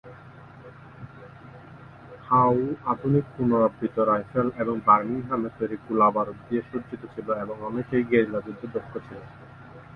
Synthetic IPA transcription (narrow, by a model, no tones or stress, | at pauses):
hawad̪ʱunik̚punoɾabit̪oɾajfeleboŋbaɾniɡʱɾamefojɾikulabaɾod̪ijeʃuɾd͡ʑit̪ot͡ɕʰiloeboŋɔnekejɡeɾilad͡ʑud̪ːed̪ɔkʰːot͡ɕʰilo